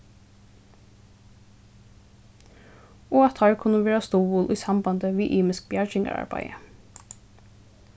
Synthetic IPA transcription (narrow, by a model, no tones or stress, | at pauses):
oːɑt̪ʰhɑɹkʰʊnəʋeːɹɑst̪ɔːʋuːlʔiːsɑmbɑnd̪əʋiːʔiːmɪskbjæɹd͡ʒɪŋə̰ɑ̰ɹbæ̰ɪə